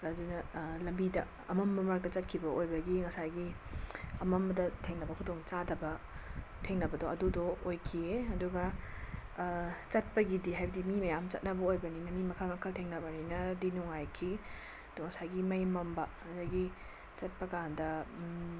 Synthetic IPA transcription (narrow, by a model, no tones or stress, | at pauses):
adunɐlɐmbidɐ | ɐmɐmbɐmɐɾk̚dɐt͡ʃɐt̚kʰibɐʔojbɐɡiŋɐsajɡi | ɐmɐmbɐdɐtʰeŋnɐbɐkʰudoŋt͡ʃadɐbɐ | tʰeŋnɐbɐdoʔɐdudoojkʰieɐduɡɐ | t͡ʃɐt̚pɐɡidiɦajbɐdimimɐjamt͡ʃɐ̰t̚nɐbɐojbɐninɐmimɐkʰamɐkʰɐltʰeŋnɐbɐninɐdinuŋajkʰi | ɐd̥uŋɐsajɡimɐjmɐmbɐːdɐɡi | t͡ʃɐt̚pɐkandɐ